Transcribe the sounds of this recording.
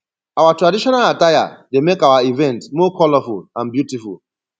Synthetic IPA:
awatɹadiʃɔnalataja̰demekawaivɛ̃ntmɔkʰɔlɔfulãnbjutiful

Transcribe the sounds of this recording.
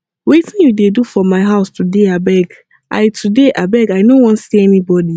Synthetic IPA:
wetɪ̃njudedufɔmaɪɦaʊstʰudeabɛɡ | ʔa̰ɪtʰudeʔabɛɡaɪnõwɔ̃ntsiɛnibɔdi

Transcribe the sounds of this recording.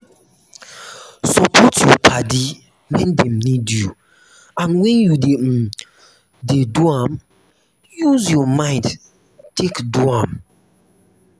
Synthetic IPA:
sɔpʰɔtʰjɔpʰadi | mɛ̃ndɛ̃mnidju | ãnwɛ̃njude | deduam | juzjɔmãɪ̃nd | tʰekduãm

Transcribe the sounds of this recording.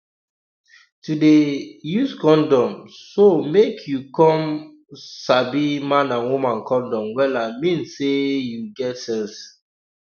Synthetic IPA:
tudejuskɔ̃ndɔ̃msomekʰjukɔ̃m | sabimãnãnwumãnkɔ̃ndɔ̃mwɛlamĩnsːejuɡɛtsɛ̃ns

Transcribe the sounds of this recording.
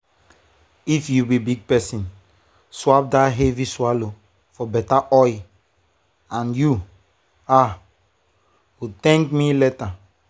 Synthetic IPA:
ifjubibiɡ̚pɛsĩn | swap̚daɦeviswalo | fɔbɛtaʔɔj | ãnju | a | ut̪ɛ̃ŋkmileta

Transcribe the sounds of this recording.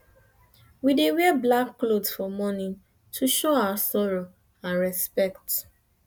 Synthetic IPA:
widewɛblakːlodsfɔmɔnĩn | tʰuʃoawasɔɹo | ãnɹɛspɛkt

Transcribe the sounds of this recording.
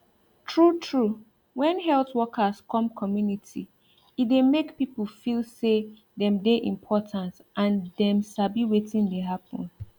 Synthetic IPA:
tʰɹutʰɹu | wɛ̃nɦɛlθwɔkʰaskʰɔ̃mkʰɔmjunitʰi | itdemekpipəlfilˠse | ðɛ̃mdeʔḭ̃mpʰɔtʰãntʔãndɛ̃msabiwetĩndeɦapɔ̰̃n

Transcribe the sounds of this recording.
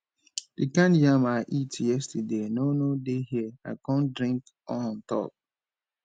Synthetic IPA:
d̥ikãnjamaʔitjɛstədenonodehiəa̰kɔ̃ndɾĩŋk | ɔ̃n̩tɔ̰p̚

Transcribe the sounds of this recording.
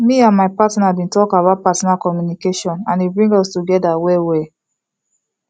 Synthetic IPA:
miãnmaɪpatnabĩntɔkabaʊt̚patɔnakɔmjunikeʃɔ̃nãnibɹĩŋɡɔstuɡɛdawewe

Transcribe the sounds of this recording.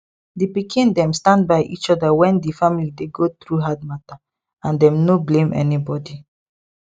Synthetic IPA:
dipikĩndɛ̃mstãnd̚baɪʔḭt͡ʃɔdawɛ̃ndifamilideɡot̪ɾuɦadmata | ãndɛ̃mnoblẽmɛ̰nibɔdi

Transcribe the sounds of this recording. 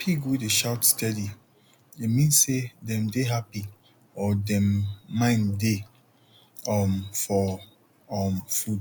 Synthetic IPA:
pʰikwiteʃawtstɛdi | imĩnsedɛ̃mdeɦapi | ɔdɛ̃mːãɪ̃nde | ɔmfɔ | ɔmfud

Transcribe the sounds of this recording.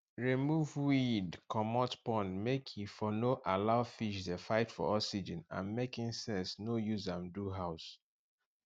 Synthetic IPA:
ɹimuvwidkʰɔmɔtpɔ̃nmekʰifɔnoʔalaʊfiʃdefaɪtfɔ̰ɔsid͡ʒə̃nã̰nmekĩnsɛsnojuzãmduɦaʊs

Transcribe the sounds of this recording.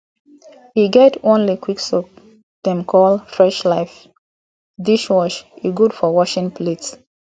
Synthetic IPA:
hiɡɛtõnlikwiksɔk̚ | d̥ɛ̃mkʰɔlfɹɛʃlaɪf | diʃwɔʃiɡudfɔwɔʃĩŋplets

